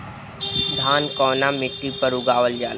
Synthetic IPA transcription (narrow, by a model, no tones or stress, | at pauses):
d̪ʱaːnkɔːnamɪʈːipɐɾʊɡaːʋəld͡ʒaːl